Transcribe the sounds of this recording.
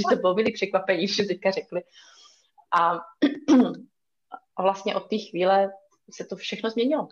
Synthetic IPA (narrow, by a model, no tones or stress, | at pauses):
ʒɛsɛbɪlomiːliːpr̝̥ɛkvapɛɲiːdiʃsmɛt̪ɛckar̝ɛklɪ | ʔa | ʔavlast̪ɲɛʔo̞t̪ːiːxviːlɛ | sɛt̪ofʃɛxnozmɲɛɲɪlo